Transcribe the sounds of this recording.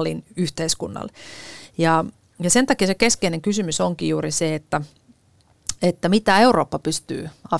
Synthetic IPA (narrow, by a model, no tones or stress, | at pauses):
linyht̪eiskunːɑ̰ljɑ | jɑsent̪ɑkisekeskeineŋkysymysoŋkijuːriseet̪ːæ | et̪ːæmit̪æeuroːpːɑpyst̪y̰ːɑ